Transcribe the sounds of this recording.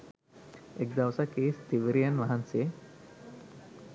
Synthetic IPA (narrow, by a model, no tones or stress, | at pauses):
ek̚d̪ɐʋsakeːst̪iʋiɾijɐnʋɐɦɐnseː